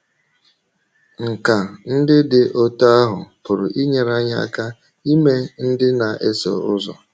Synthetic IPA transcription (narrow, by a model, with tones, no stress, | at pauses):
ŋ̩˨ka˨n̩˦dɪ˦dɪ˨ʔo˦ta˦a˦ɦʊ̰˨pʊ˨ɾʊ˨ʔi˦ɲe˨ɾa˦ɲa˦˨ka˦ | i˦me˦n̩˦dɪ˦na˨ʔe˦sɔ̰˨ʊ˦zɔ̰˨